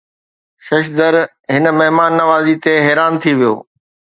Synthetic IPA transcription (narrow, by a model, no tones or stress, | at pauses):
ʃɐʃd̪əɾ | ɦɪn̆mɐɦmaːnːɐʋaːzit̪eɦɛːɾaːnt̪ʰiʋijo̰ː